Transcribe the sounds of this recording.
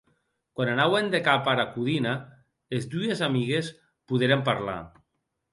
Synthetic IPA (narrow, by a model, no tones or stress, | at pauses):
kwananawend̪ekapaɾakuðina | ezd̪uezamiɣes | puðeɾempaɾla̰